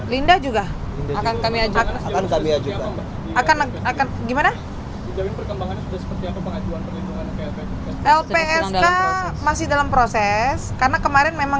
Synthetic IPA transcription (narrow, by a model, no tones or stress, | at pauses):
lindahd͡ʒuɡa | akankamiad͡ʒkaakankamiad͡ʒuɡ | akan | akanɡimana | id͡ʒaɡɪnpərkəmbaŋanɲasudasə̥pərt̪iapapəŋad͡ʒuanpərlinduŋankɛlpesaɛlpeɛsamasɪhdalampɾosɛskarnakəmaɾɛnmemaŋ